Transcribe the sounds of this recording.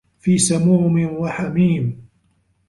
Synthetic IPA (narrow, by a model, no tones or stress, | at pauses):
fiːsamuːmɪnwaħamiːm